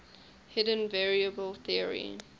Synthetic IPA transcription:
hɪdə̃nvɛɹiəbəlθiəɹḭ

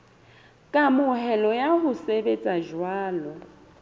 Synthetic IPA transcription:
kʼamʊhɛlɔjahʊsebet͡sʼaʒwaːlɔ

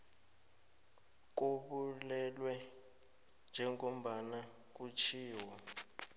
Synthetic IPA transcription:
k̬uɓulɛlwɛ | nd͡ʒʱɛŋom̩ɓana | k̬ut͡ʃʰiːwɔ

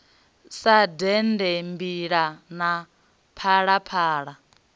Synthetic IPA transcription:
sadɛndɛmbiɺana | pʰaɺapʰaːɺa

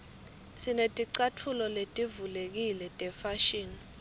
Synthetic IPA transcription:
sinetʼiǀatʰulɔletʼivulek̬ilɛtʼɛfaʃiːn

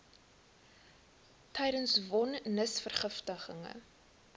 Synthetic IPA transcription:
tʰɛjdənsvɔnːəsfərχəftəχəŋə̰

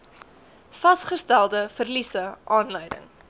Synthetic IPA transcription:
fɐsχəstælˠdəfərlisəʔɑːnlœjdə̰ŋ

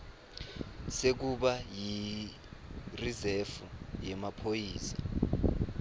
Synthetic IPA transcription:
sek̬uɓaji | rizɛfujɛmapʰojiːsḁ

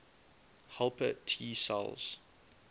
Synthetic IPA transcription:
halˠpə̰tʰiːsa̰lˠz̥

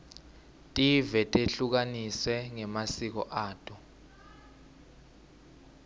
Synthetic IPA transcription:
tʼivɛtʼeɬuk̬aniswɛŋɛmasik̬ɔ̰ʔaːtʼu

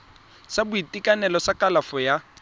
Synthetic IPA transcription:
sabʊitikʼanɛlɔsakʼalafɔja

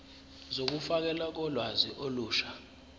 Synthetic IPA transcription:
zok̬ufak̬ɛlak̬ɔlwaziʔoluːʃḁ

